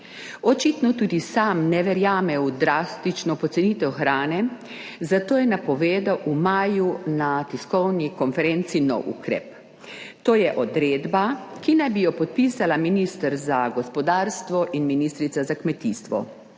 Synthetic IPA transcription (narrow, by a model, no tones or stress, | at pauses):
ɔt͡ʃit̪nɔt̪uːd̪isamnɛʋɛɾjaːmɛwud̪ɾast̪it͡ʃnɔpɔt̪sɛniːt̪ɛwxɾaːnɛ | zat̪oːjɛnapɔʋeːd̪awʔumaːjunat̪iskɔwnikɔnfɛɾent̪sinɔ̰wṵkɾɛ̰p | t̪oːjɛʔɔd̪ɾeːd̪bakinajbijɔpɔt̪̚piːsalaminist̪əɾzaɡɔspɔd̪aːɾst̪ʋɔʔinminiːst̪ɾit̪sazakmɛt̪ist̪ʋɔ̰